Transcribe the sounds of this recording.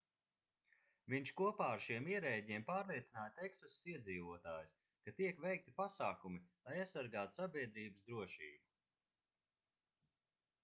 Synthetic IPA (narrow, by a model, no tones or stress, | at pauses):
viɲʃkuɔpaːaɾʃiɛmiɛɾɛːɟʲiɛmpaːɾlˠiɛt̪sinaːjt̪eksɔssiɛd̪ziːvuɔt̪aːjus | kat̪iɛkvɛjk̚t̪ipasaːkumilˠajasːaɾɡaːt̪sabʲiɛd̪ɾiːbəsd̪ɾuɔʃiːbu